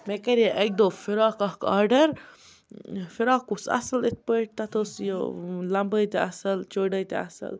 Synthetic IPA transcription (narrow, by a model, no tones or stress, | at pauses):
mekɐɾjeʔeɡ̚d̪oːfiɾaːkɐhkaːɾɖɐɾ | fiɾaːkusɐ̰sɐlit̪̚pəʈ̚t̪ɐt̪ʰoːsjolɐmbəjt̪eɐsɐlt͡ʃoːɖəjt̪ḛɐ̰sɐ̰l